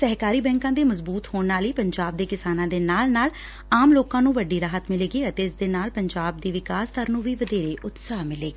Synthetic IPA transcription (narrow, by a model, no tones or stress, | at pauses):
sɛɦkaːɾiːbɛ̃ːŋkãːd̪eːməzbuːt̪hoːɳnaːliːpəɲd͡ʒaːb̚d̪eːkɪsaːnãːd̪eːnaːlnaːl | aːmloːkãːnũːʋəɖiːɾaːɦət̪mɪleːɡiːət̪eːɪsd̪eːnaːlpəɲd͡ʒaːb̚d̪iːʋɪkaːst̪əɾnũːʋiːʋəd̪eːɾeːʔʊt̪saːɦmɪleːɡiː